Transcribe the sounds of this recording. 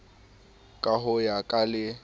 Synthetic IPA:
kʼaɦʊjakʼalɪ

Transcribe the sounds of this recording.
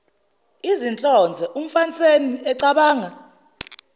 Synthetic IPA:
izint͡ɬʼɔnd͡zʱɛʔum̩fant͡sʼeniɛǀaɓaːŋa

